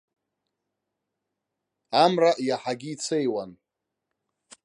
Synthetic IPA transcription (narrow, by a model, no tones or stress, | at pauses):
amraʔjaħaɡʲiːt͡sʰejwan